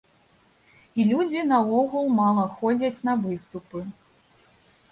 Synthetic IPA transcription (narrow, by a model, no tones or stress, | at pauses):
ilʲud͡zʲinɐɔɣulˠmalˠɐxɔd͡zʲɐt͡sʲnɐvɨst̪upɨ